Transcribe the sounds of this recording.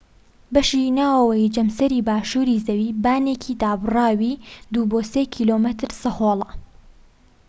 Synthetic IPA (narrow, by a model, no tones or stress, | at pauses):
bɐʃinaːwɐwɐjd͡ʒɐmsɐɾiːbaːʃuːɾiːzɐwiːbaːnekʰiːd̪aːbɨrɑːwiːd̪uːboːsekʰiːlomɐt̪ɾsɐhoːlˠɐ